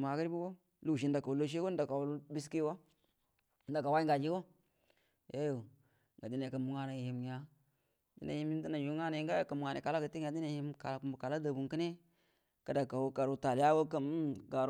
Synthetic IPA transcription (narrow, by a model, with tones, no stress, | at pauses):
ma˨ɡə˦ɾi˦bu˦ɡo˦ | lu˦˨ʃ̬i˦nda˨ka˨wu˨˦lo˦ʃ̬e˦ɡo˦n˦da˨ka˨wu˦lbi˦s̬ki˦wo˦ | n̩˦da˨ka˨wa˦i˦ŋɡa˨d͡ʒi˦ɡo˦ | je˦jo˨ | ŋɡa˨di˦n˨e˨ka˨mu˨ŋa˦na˨ji˨mɲa˨ | dḭ˦na̰˨ji˦mji˦n˦di˦na˨ju˨˦ŋa˦na˨i˦ŋ˦ɡa˦ja˨ka˨mu˨ŋa˨ne˨ka˨la˦ka˨ti˦ŋ˦a˨di˦na˨ji˦mka˨la˨˦ku˨mbu˨ka˨la˦da˨bu˨ŋki˦ne˦ | ka˨da˨ka˨wu˦ka˨ɾu˦ta˨lja˦ɡo˦kə˦m˦ɡa˨ɾ